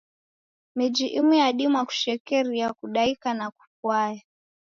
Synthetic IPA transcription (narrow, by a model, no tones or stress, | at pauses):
mid͡ʒiʔimijaɗimwaku̥ʃɛkɛɾijakuɗaikanaku̥pwaja